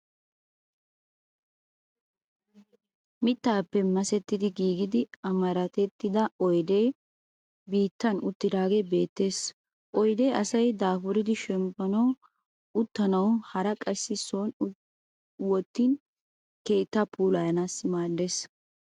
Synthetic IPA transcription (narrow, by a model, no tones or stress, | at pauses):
mɪt̪ːaːpːɛmɐsɛt̪ːɪd̪ɪɡiːɡɪd̪ɪɐmɐɾɐt̪ɛt̪ːɪd̪ɐɔjd̪eː | biːt̪ːɐnʊt̪ːɪd̪aːɡebe̞ːt̪ːe̞ːs | ʔɔjd̪eːʔɐsɐjd̪aːfʊɾɪd̪ɪʃɛmpːɐnɐw | ʊt̪ːɐnɐwhɐɾɐkʼɐsːɪsoːn | wɔt̪ːin | ke̞ːt̪ːapʰuːlɐjɐnasmaːd̪ːes